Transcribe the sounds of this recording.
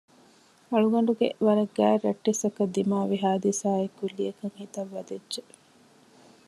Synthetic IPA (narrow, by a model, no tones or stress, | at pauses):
ɐɭuɡɐɳ̆ɖuɡḛʋɐɾɐɡːæ̰ːɾɐʈːisɐkɐd̪ːimaːʋiɦaːd̪isaːekulːijɐkɐŋhit̪ɐʋːɐd̪edʒe